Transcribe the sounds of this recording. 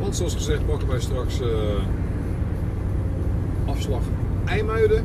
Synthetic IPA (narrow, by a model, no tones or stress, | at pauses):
ʋɑntsoɑsχəzɛχtbɔkərʋɛjstraks | ɑfslɑχ | ɛjmœɥədə